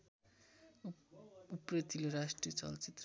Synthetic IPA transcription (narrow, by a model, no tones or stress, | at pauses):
uprʌt̪ileɾasʈriʌt͡sʌ̰lt͡sit̪r